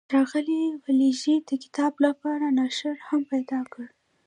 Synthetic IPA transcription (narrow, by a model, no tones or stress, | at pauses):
ɾɑɣəliwaliʒid̪̥əkɪ̥t̪ɑblapɑɾanaʃəɾhampajd̪ɑkəɽ